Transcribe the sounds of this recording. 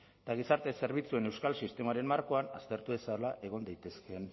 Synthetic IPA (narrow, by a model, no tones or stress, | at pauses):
t̪aɣ̞isaɾt̪e̞se̞ɾβit͡sue̞ne̞wskalsist̪e̞maɾe̞mmaɾko̞ana̰st̪e̞ɾt̪uðe̞salaʔe̞ɣ̞o̞nd̪ajt̪e̞ske̞n